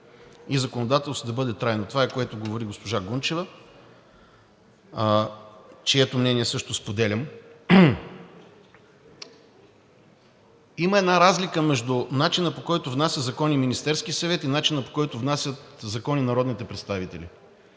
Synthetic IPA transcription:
izɐkonod̪at̪ɛlˠst̪d̪ɐbɤd̪ɛt̪ɾajnot̪ovaɛkoɛt̪ʊɡovoɾiɡospoʒaɡunt͡ʃɛvə | t͡ʃiɛt̪omnɛnʲiɛsɤʃt̪ʊspod̪ɛlʲɐm | iməɛd̪naɾazlikəmɛʒd̪ʊnat͡ʃinəpokɔjt̪ʊvnasʲəzɐkɔniminist̪ɛɾskiəsɐvɛt̪inat͡ʃinəpo̥kɔjt̪ʊvnasʲət̪zɐkɔninɐɾɔd̪nit̪ɛpɾɛt̪st̪avit̪ɛlʲḭ

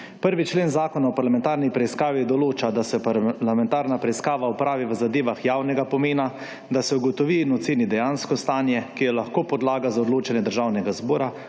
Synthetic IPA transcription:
pəɾʋit͡ʃleːnzaːkɔnaɔpaɾlamɛ̃nt̪aːɾnipɾɛiskaːʋid̪ɔloːt͡ʃad̪asɛplamɛnt̪aːɾnapɾɛiskaːʋaɔpɾaːʋiʋəzad̪eːʋaxjawnɛɡapɔmeːna | d̪asɛuɡɔt̪ɔʋinɔt̪seːnid̪ɛjaːnskɔst̪aːnjɛkijɛlaxkoːpɔd̪laːɡazaɔd̪loːt͡ʃɛnjɛd̪əɾʒawnɛɡazbɔːɾa

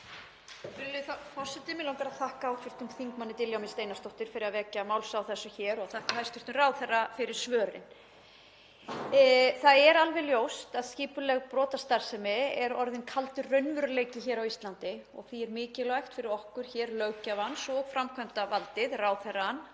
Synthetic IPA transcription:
fɪɾlʏθfɔr̥sɛt̪ɪmɪlawk̪aɾaðθahkaawkʰvɪr̥t̪ʏmθiŋkmanːɪt̪ɪljawmɪnst̪eːjnast̪ɔwht̪ɪɾ̥fɪɾɪðavɛːcamaːwlsawθɛsːʏçɛːɾɔaθahkaɦajst̪ʏɾt̪ʏraːwθɛrafɪɾɪɾ̥svœːɾɪ̰n | θaðɛɾalvɛljowst̪aðsciːpʏlɛɣpɾɔːt̪ast̪aɾ̥sɛmɪɛɾɔɾðɪnkʰalt̪ʏrœɥnvʏɾʏleːjcɪçɛːɾawist̪lant̪ɪɔɣθiɛɾmɪːcɪlajxt̪fɪɾɪɾɔhkʏɾ̥çɛːɾlœɥcavansɔɣfɾamkʰœmt̪avalt̪ɪðraːwθɛrːan

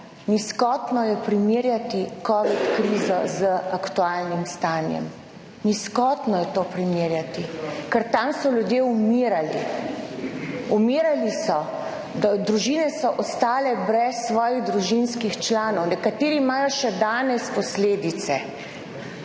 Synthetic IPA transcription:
niskɔt̪nɔjɛpɾimiːɾjat̪ikɔːʋit̪kɾiːzɔzəʔakt̪uaːlnimst̪aːnjɛ̰m | niskɔt̪nɔjɛt̪oːpɾimiːɾjat̪ikəɾt̪amsɔlʲjud̪jeumiːɾali | umiːɾalisɔ | d̪ad̪ɾuʒiːnɛsɔʔɔst̪aːlɛbɾɛsːʋɔːjiɣd̪ɾuʒinskixt͡ʃlaːnɔwnɛkat̪eːɾiːmaːjɔʃɛd̪aːnɛspɔsleːd̪it̪sɛ

